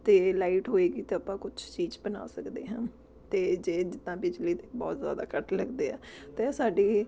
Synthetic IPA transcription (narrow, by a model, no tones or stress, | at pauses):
t̪eːlaːiːʈɦoːeːɡiːt̪eːəpãːkʊt͡ʃʰt͡ʃiːd͡ʒbəna̰ːsəkd̪ḛːɦãː | t̪eːd͡ʒeːd͡ʒɪt̪ːãːpɪd͡ʒliːt̪eːbɔ̰ːt̪zja̰ːd̪a̰ːkəʈʰləɡd̪eːɛ̰ːt̪eːsaːɖiː